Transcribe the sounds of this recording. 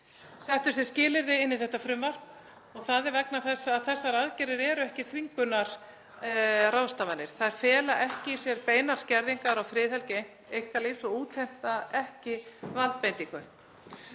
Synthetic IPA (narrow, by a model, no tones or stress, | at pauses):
θɛht̪ʏɾsɛscɪːlɪɾðɪɪnːɪðθɛht̪afɾʏmvaɾ | ɔɣθaðɛɾvɛknaθɛsːaːðθɛsːaɾaðcɛɾɪɾɛːɾʏɛhcɪtθʰviŋkʏnaɾ̥ | rawst̪avanːɪɾ̥θaðɛɾ̥fɛːlaʔɛhcɪisjɛɾpeːjnaɾ̥scɛɾðiŋkaɾawfɾɪːðɛlce | ejhkaliːfsɔɣuːt̪ʰɛm̥t̪aɛhcɪvalt̪̚pejnt̪iŋkʏ